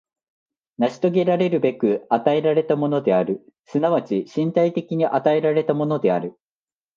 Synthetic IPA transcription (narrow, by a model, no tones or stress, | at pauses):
naɕi̥t̪o̞ɡʲe̞ɾaɾe̞ɾɯ̟be̞kɯ̟at̪ae̞ɾaɾe̞t̪amo̞no̞d̪e̞aɾɯ̟ | sɨnaβ̞at͡ɕiɕĩnt̪ait̪e̞kʲiɲ̟iʔat̪ae̞ɾaɾe̞t̪amo̞no̞d̪e̞aɾɯ̟